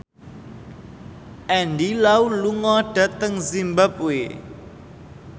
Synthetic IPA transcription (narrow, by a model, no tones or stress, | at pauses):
ʔɛndilauluŋɔɖ̥ä̤t̪əŋzimbap̚we